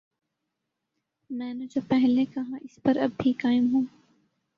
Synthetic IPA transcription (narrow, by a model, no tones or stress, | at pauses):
mɛ̃ːnod͡ʒopɛɦlekɐɦãʔɪspɐɾɐbːʱikaːɪmɦũː